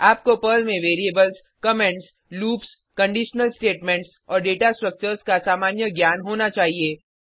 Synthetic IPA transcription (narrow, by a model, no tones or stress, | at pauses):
aːp̚kopəːlmẽʋeːɾieːbəls | kɐmɛ̃ɳʈs | luːps | kɐ̃ɳɖiːʃnəlsʈeːʈmɛ̃ɳʈs | ɔːɾɖeːʈasʈɾək̚t͡ʃəɾskasaːmaːnjəɡjaːnɦoːnat͡ʃaːɦieː